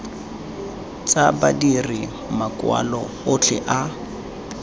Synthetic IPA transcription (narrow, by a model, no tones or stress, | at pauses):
t͡sʼabadiri | makʼwa̰lɔ | ʊt͡ɬʰɛʔa